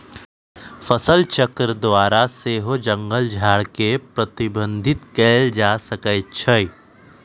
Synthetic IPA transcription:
fəsəlt͡ʃəkɾəd̪waːɾaseːɦod͡ʒə̃ŋɡəld͡ʒʱaːɽkepɾɐt̪ɪbə̃nd̪ʱɪt̪kɛːld͡ʒaːsəkət͡ʃʰəi

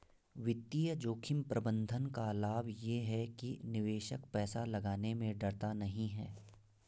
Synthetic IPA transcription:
ʋɪt̪ːijəd͡ʒoːkʰɪmpɾɐbə̃nd̪ʱənkalaːbjeɦɛkinɪʋeːʃəkpɛːsalɐɡaːnemẽɖɐɽt̪anɐɦĩɦɛː

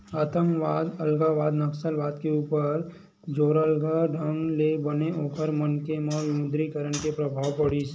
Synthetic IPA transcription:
ət̪ə̃ŋkʋaːd̪əlɡaʋaːd̪nɐksəlʋaːd̪keuːpəɾ | d͡ʒoːɾəlɡʱaɖʱə̃ŋɡlebəneʔoːpəɾmənkemɔʋɪmʊd̪ɾikəɾəɳ̃kepɾɐbʱaːwpɐɽiːs

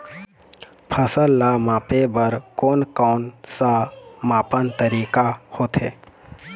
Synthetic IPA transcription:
pʰəsəlːamãːpebəɾkoːnkɔːnsamaːpənt̪əɾiːkahoːt̪ɦeː

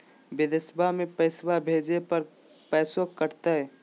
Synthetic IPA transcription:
bɪd̪ɪsbamẽpəɪsbabʱeːd͡ʒepəɾ | pɛːsokːəɾt̪aɦɛ

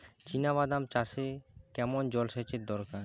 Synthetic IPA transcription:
t͡ʃinaβad̪amt͡ʃasekɛmɔnd͡ʒɔlsɛt͡ʃet̪̚d̪ɔɾkaɾ

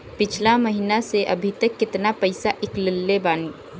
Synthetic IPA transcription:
pɪt͡ʃʰlaməɦinaseʔə̰bʱit̪əkːɪt̪napəɪsaʔɪklɪlːebaːni

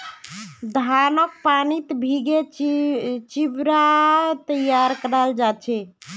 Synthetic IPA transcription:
d̪ʱanək̚panit̪bʱiɡe | t͡ʃibɾat̪əjaɾkəɾald͡ʒat͡ʃʰɛ

